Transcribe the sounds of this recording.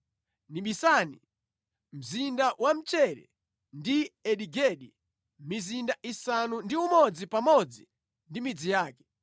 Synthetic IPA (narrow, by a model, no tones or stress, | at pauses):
niɓisanḭ | m̩zindawʔam̩t͡ʃɛɾɛ̰ | ndiɛɗiɡɛɗi | mizindaʔisanundiumɔd͡zipamɔd͡zi | ndimid͡zijaːkɛ̥